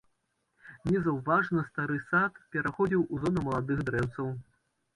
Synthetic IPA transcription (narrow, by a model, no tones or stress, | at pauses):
nʲɛzɐwvaʐnɐst̪aɾɨsat̪pʲɛɾʔaxɔd͡zʲiwuzɔnɐmɐlˠad̪ɨxd̪ɾɛwt̪sɐw